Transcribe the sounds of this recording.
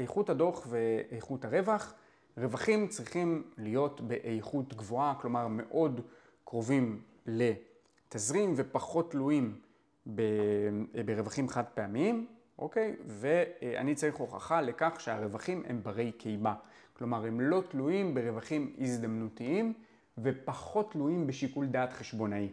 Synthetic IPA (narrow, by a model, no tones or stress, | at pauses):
ejχuthado̞χve̞ejχuthaʁe̞vaχ | ʁe̞vaχimt͡sʁiχimlijo̞tbe̞ʔejχutɡvo̞aklo̞maʁme̞̰ʔo̞d | kʁo̞vim | le̞ | tazʁimve̞paχo̞tːluim | be | beʁevaχimaχad̚peamiim | ʔo̞̰ke̞jve̞a̰nit͡saʁiχʁo̞χa̰χale̞kaχʃeaʁe̞vaχimʔe̞̰mbaʁe̞jkʰejmaklo̞maʁe̞mlo̞tlujimbeʁe̞vaχimizdamnutiim | ve̞paχo̞tluimbe̞ʃikuldaːtχeʃbo̞nai